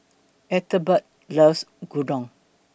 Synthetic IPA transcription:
ɛt̪əbət̚ | ləsɡudɔ̃ŋ

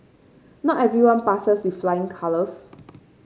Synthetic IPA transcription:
nɔtɛvɹiwãnpasəswiflajɪ̃ŋkʰaləs

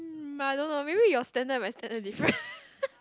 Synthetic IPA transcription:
ajdõnːomebijɔstɛ̃ndət̚mãnstɛ̃ndədifɹə̃n

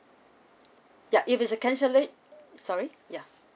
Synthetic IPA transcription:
jaʔɪfɪsəkʰɛ̃nʃəlit | sɔɹi | ja

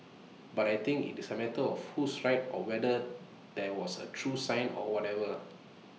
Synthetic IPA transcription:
batajt̪ĩŋkḭtisəmɛtəɔfhusɹaɪt̚ɔwɛdə | dɛwɔsə̰tʰɹusãɪ̃nɔ̰wɔtɛvə

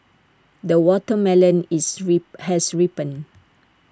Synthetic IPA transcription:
dəwɔtəmɛlə̃nshɛsɹipə̃n

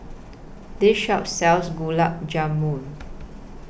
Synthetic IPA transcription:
deʃɔtsɛlsɡulap̚d͡ʒãmːũn

